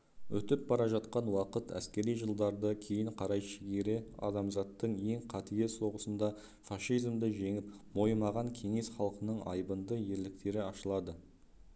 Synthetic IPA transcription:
wɵt̪ɪp̚bɑɾɑʒɑt̪̚qɑnwɑqət̪æ̰skʲe̞ɾijʒəlˠd̪ɑɾd̪əkʲʰe̞jɪɴqʰɑɾɑjʃɪɡʲeɾɪɑ̰d̪ɑmzɑt̪ːəɴe̞ŋqʰɑt̪ijeso̞ʁəsənd̪ɑ | fɑʃijzmd̪əʒe̞ŋɪp | mo̞jmɑʁɑŋkʲʰe̞ŋe̞sχɑlˠqənəɴɑ̰jbənd̪əje̞ɾlɪk̚t̪e̞ɾɪɑʃəlˠɑd̪ə

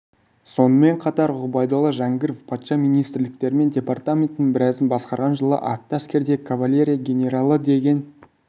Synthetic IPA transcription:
so̞nəme̞ɴqʰɑt̪ɑɾʁʊbɑjd̪olˠəʒæŋɡʲɪɾvpʰɑt̪ʃɑmijnijst̪ɾlɪk̚t̪e̞ɾɪme̞ndʲe̞part̪amʲent̪ɪnɪŋbɪɾæzɪnbɑsqɑɾʁɑnʒəlˠə̰ʔɑk̚t̪ːəskʲe̞ɾd̪e̞kʰavalʲe̞ɾʲijaɡʲe̞nʲe̞ɾalˠəd̪e̞ɡʲe̞n

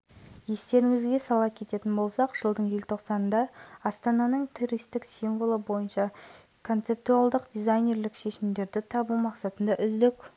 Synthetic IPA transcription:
je̞st̪e̞ɾɪŋɪzɡʲe̞sɑlˠɑp̚kʲʰe̞t̪e̞t̪ɪnbo̞lˠsɑqʒ̥əlˠd̪əɴjelʲt̪ʰo̞qsɑnənd̪ɑɑst̪ɑnɑnəɴt̪ʰuɾijst̪ɪksimvolˠəbo̞jənʃɑ | kʰo̞nt̪se̞p̚t̪uɑlˠd̪əqd̪ʲijzajnʲe̞ɾlɪkʃe̞ʃɪmd̪e̞ɾd̪ɪt̪ʰɑbumɑqsɑt̪ənd̪ɑʔʏzd̪ɪkʲ

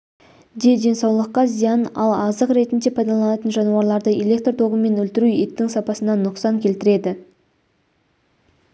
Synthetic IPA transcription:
d̪e̞d̪e̞nsɑwlˠəqːɑzijɑnɑlˠɑzəqɾe̞t̪ɪnd̪e̞pʰɑjd̪ɑlˠɑnɑt̪ənʒɑnuɑɾlˠɑɾd̪əe̞lʲe̞k̚t̪rt̪ʰo̞ʁəme̞nɵlt̪ɪɾuet̪ːɪŋsɑpɑsənɑnʊqsɑŋkʲʰe̞lt̪ɪɾe̞d̪ɪ

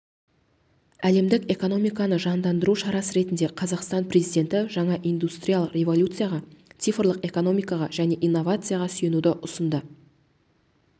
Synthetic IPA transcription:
æle̞md̪ɪke̞ko̞no̞mijkɑnəʒɑnd̪ɑnd̪əɾuʃɑɾɑsəɾe̞t̪ɪnd̪e̞qʰɑzɑqst̪ɑnpɾe̞zijd̪ʲe̞nt̪ɪʒɑɴɑʔijnd̪ust̪rʲijalˠəqrʲe̞vo̞lʲut̪sɨjaʁɑt̪sijfərlˠəqe̞ko̞no̞mijkɑʁɑʒæne̞ʔijnːo̞vat̪sɨjaʁɑsʏje̞nud̪ɪʔʊsənd̪ə

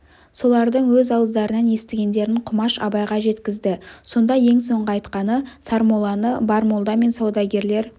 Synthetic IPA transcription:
so̞lˠɑɾd̪əɴwɵzɑwəzd̪ɑɾənɑnje̞st̪ɪɡʲe̞nd̪e̞ɾɪɴqʰʊmɑʃɑ̰bɑjʁɑʒe̞t̪kʲɪzd̪ɪso̞nd̪ɑje̞ŋso̞ɴʁəɑjt̪qɑnəsɑɾmo̞lˠɑnəbɑɾmo̞lˠd̪ɑme̞nsɑwd̪ɑɡʲe̞ɾle̞ɾ

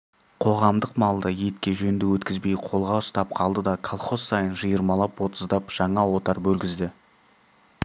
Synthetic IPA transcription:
qʰo̞ʁɑmd̪əqmɑlˠd̪əje̞t̪kʲe̞ʒɵnd̪ɪwɵt̪kʲɪzbe̞jqʰo̞lˠʁɑʊst̪ɑp̚qʰɑlˠd̪əd̪ɑkʰalˠχo̞sːɑjənʒəjəɾmɑlˠɑpwo̞t̪əzd̪ɑpʒ̥ɑɴɑwo̞t̪ɑɾbɵlɡʲɪzd̪ɪ

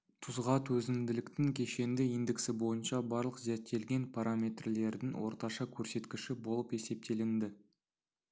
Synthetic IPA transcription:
t̪ʰʊzʁɑt̪ʰwɵzɪmd̪ɪlɪkt̪ɪŋkʲʰe̞ʃe̞nd̪ɪind̪ɪksɪbo̞jənʃɑbɑɾlˠəqzæt̪ʰːe̞lɡʲe̞npʰaɾamʲe̞t̪rle̞ɾd̪ɪŋwo̞̰ɾt̪ɑʃɑkʲʰɵɾse̞t̪kʲɪʃɪbo̞lˠəpe̞se̞p̚t̪e̞lɪnd̪ɪ

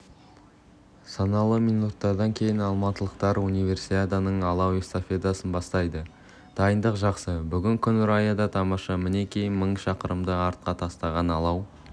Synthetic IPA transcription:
sɑnɑlˠəminut̪ːɑɾd̪ɑŋkʲʰe̞jɪnɑlˠmɑt̪əlˠəqt̪ɑɾunijve̞ɾsit̪ad̪anəɴɑlˠɑwest̪ofʲed̪asənbɑst̪ɑjd̪ə | d̪̥ɑjənd̪əqʒɑqsəbʏɡʲɪŋkʲʰʏnʏɾɑjad̪ɑt̪ʰɑmɑʃɑmɪne̞kʲʰe̞jɪnməɴʃɑqəɾəmd̪əɑɾt̪̚qɑt̪ʰɑst̪ɑʁɑnɑlˠɑw

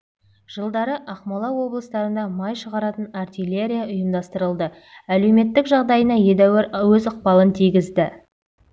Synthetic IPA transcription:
ʒ̥əlˠd̪ɑɾəʔɑqmɑlˠɑwo̞blˠəst̪ɑɾənd̪ɑmɑjʃəʁɑɾɑt̪ənɑrt̪ijlʲe̞ɾʲijaʊjəmd̪ɑst̪əɾəlˠd̪ə | æle̞wme̞t̪ːɪkʒɑʁd̪ɑjənɑje̞d̪æwæɾwɵzʊq̚pɑlˠənt̪ʰijɡʲɪzd̪ɪ

